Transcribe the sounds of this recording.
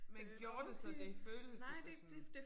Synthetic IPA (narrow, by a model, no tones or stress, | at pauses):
menɡ̥jo̝ːɐd̥e̝sɒd̥e̝føːləssd̥e